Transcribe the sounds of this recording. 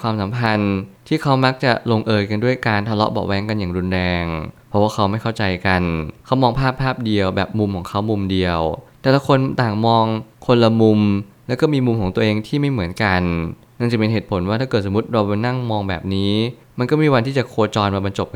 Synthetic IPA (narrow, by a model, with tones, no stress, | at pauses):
kwaː˧msa˩˦mpʰa˧nt̪ʰiː˥˩kʰa˦˥wma˦˥k̚t͡ɕa˨˩lo˧ŋʔɤː˧jka˧ndu˥˩əjkaː˧nt̪ʰa˧lɔ̰˦˥bɔ̰˨˩wɛː˨˦˥ŋka˧njaː˨˩ŋɾu˧nɾɛː˧ŋpʰɔ˦˥waː˥˩kʰa˦˥wma˥˩jkʰa˥˩wt͡ɕa˧jka˧nkʰa˦˥wmɔː˧ŋpʰaː˥˩pʰːaː˥˩p̚di˧əwbɛː˨˩p̚mu˧mkʰɔː˩˦ŋkʰa˦˥wmu˧mdi˧əwt̪ɛː˨˩la˦˥kʰo˧nt̪aː˨˩ŋmɔː˧ŋkʰo˧nla˧mu˧mlɛ˦˥wkɔː˥˩miː˧mu˧mkʰɔː˩˦t̪u˧əʔeː˧ŋt̪ʰiː˥˩ma˥˩jmɯ˩˦ənka˧nː | a˥˩ŋt͡ɕa˨˩kpe˧nɦeː˨˩t̪̚pʰo˩˦nwaː˥˩t̪ʰaː˥˩kɤː˨˩t̪smu˦˥t̪̚ɾa˧wpa˧jna˥˩ŋmɔː˧ŋbɛ̰ː˨˩p̚niː˦˥ | ma˧nkɔː˥˩miː˧wa˧nt̪ʰiː˥˩t͡ɕa˨˩kʰoː˧t͡ɕɔː˧nmaː˧ba˧nt͡ɕo˨˩p̚k